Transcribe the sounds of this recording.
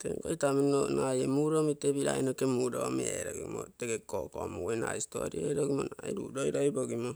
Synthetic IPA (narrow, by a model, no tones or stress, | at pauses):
teŋkoitamionajemuɾomitebiɾa̰inokemuɾomieɾoɡimoteɡekokomuwena̰isto̰ɾioiɾoɡimonaiɾṵdoiɾoiboɡimo